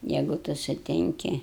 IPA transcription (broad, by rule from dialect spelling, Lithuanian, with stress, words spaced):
ˈjɛɪɡʊ ˈtʊ sʊˈtʲɪŋʲkʲɪ